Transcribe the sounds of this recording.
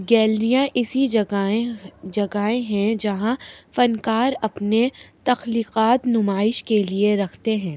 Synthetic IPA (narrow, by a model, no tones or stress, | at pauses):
ɡɛːlɾijãʔɪsi | d͡ʒɐɡaːẽɦɛ̃d͡ʒɐɦãfɐnkaːɾɐpnet̪ɐxliːqaːt̪nʊmaːɪʃkelieɾɐkʰt̪eɦɛ̃ː